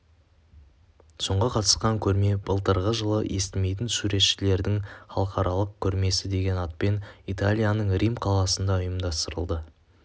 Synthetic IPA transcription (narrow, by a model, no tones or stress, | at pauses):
so̞ɴʁɑqʰɑt̪ə̥sqɑŋkʲʰɵɾme̞bəlˠt̪əɾʁəʒəlˠəʔest̪ɪme̞jt̪̬ɪnsuɾe̞t̪ʃɪle̞ɾd̪ɪŋχɑlˠəqɑɾɑlˠəq̚kʲʰɵɾme̞sɪd̪e̞ɡʲe̞nɑt̪̚pe̞nit̪alʲijanəɴrimqʰɑlˠɑsənd̪ɑʊjəmd̪ɑst̪əɾə̰lˠd̪ə